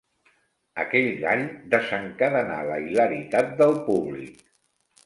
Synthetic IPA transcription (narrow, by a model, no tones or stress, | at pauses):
əkɛʎd̪aʎd̪əzəŋkəðəna̰lə̰iləɾit̪at̪̚d̪əlˠpuβlḭk̚